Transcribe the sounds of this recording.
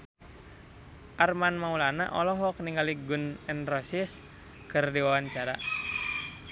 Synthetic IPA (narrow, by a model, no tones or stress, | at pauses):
ʔarmanmaulana̰ʔɔlɔɦɔk̚niŋɡaliɡunɛnrɔsis | kɨrdiwawaɲt͡ʃaɾa